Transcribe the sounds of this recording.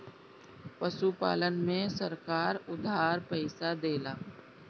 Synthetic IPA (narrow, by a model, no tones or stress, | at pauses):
pəʃupa̰ːlənmẽsəɾkaːɾʊd̪ʱaːɾpəɪsad̪eːlaː